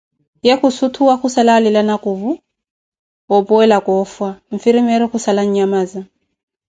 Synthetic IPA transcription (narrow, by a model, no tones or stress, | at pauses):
jekusutʰuwaxusalalilanakʼuβu | ɔpʼɔɛlakʼɔfwaɱ̩fiɾimɛɾɔxusalaɲ̩ɲamaːza